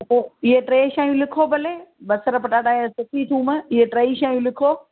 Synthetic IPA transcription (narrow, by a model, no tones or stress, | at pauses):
oɪɦeʈɾeːʃaːɦĩjũlɪkʰobɐleːbɐsəɾpɐʈaːɗaːsʊʈʰit̪ʰũːmə̃ɪɦeʈɾeːiʃaːijũlɪkʰoː